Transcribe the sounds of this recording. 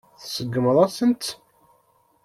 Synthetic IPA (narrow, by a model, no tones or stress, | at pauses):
θsəɡːəməðˤɑsənt̪